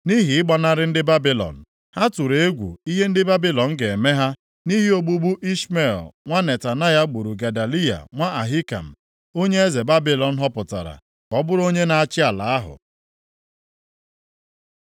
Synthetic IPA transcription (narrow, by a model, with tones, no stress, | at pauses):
ni˦ɦi˨ɪ˦ɡ͡ba˦na˦ɾɪ˦n̩˦dɪ˦ba˦bi˨lɔ̰˨n̩˨ | ha˦tu˨ɾe˨e˦ɡʷṵ˨i˦ɦe˦n̩˦dɪ˦ba˦bi˦lɔ˨n̩˦ɡe˨e˨me˦ɦa˦ | ni˦ɦi˦o˦ɡ͡bu˦ɡ͡bu˦ʔi˦ʃme˦˨lŋʷa˦ne˨ta˨na˦ja˦ɡ͡bu˨ɾu˨ɡa˨da˨li˦a̰˨ŋʷa˦ʔa˨ɦi˦ka̰˨m̩˨ | o˦ɲe˦e˦ze˨ba˦bi˨lɔ˨n̩˦ɦɔ˦pʊ˨ta̰˨ɾa̰˨ | kɔ˦bʊ˦ɾo˦ɲe˦na˨a˦t͡ʃɪ˦a˨la˨a˦ɦʊ̰˨